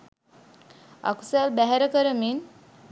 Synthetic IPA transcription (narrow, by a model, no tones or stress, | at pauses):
a̰ku̥salbæɦɛɾəkəɾəmin